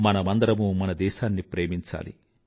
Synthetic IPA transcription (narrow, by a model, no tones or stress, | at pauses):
mɐnɐmɐnd̪ɐɾɐmumɐnɐd̪ɛːʃaːnːipɾeːmiɲt͡ʃa̰ːlḭ